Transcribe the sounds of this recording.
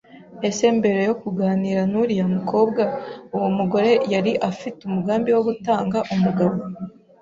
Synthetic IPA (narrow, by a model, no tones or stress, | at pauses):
e̞se̞mbe̞ɾe̞jo̞kuɡaːniːɾanuɾijamukʰo̞ːbɡauwumuɡo̞ɾe̞jaɾiʔafitumuɡaːmbiwo̞ɡutaːŋɡaʔumuɡaβo̞